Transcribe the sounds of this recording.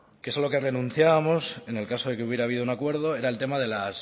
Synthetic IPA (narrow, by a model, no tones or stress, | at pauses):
kesalo̞ke̞re̞nũnθjaβamo̞se̞ne̞lkaso̞ð̞e̞keuβje̞ɾaːβið̞o̞unakwe̞ɾð̞o̞e̞ɾae̞lt̪e̞mað̞e̞las